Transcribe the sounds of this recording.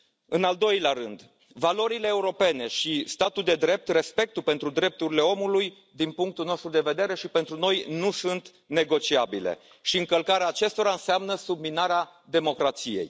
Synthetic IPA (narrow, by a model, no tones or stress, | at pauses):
ɨnald̪o̞jleaɾɨnd̪ | valo̞ɾile̞ːuɾo̞pe̞ne̞ʃist̪at̪uld̪e̞d̪ɾe̞p̚t̪re̞spe̞k̚t̪upe̞nt̪ɾud̪ɾe̞p̚t̪uɾile̞o̞muluj | d̪inpuŋk̚t̪ulno̞st̪ɾud̪e̞ve̞d̪e̞ɾe̞ʃipe̞nt̪ɾuno̞jnusunt̪ | ne̞ɡo̞t͡ʃiabile̞̰ | ʃiɨŋkəlkaɾeaːt͡ʃe̞st̪o̞ɾaɨnseamnəsub̚minaɾead̪e̞mo̞kɾat̪sije̞̰j